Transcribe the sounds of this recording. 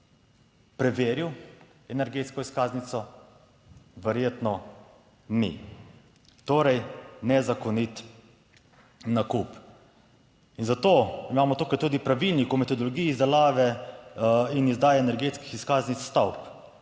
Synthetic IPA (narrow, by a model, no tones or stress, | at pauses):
pɾɛʋeːɾiw | ɛnɛɾɡeːt̪skɔiskaːznit̪sɔ | ʋɛɾjeːt̪nɔ | nḭ | t̪oːɾɛjnɛzakɔnit̪ | nakup | inzat̪oːimaːmɔt̪uːkajt̪uːd̪ipɾaʋilnikɔwmɛt̪ɔd̪ɔlɔɡiːjːzd̪ɛlaːʋɛ | inizd̪aːjɛɛnɛɾɡeːt̪ski̥xiskaːznit̪sst̪awp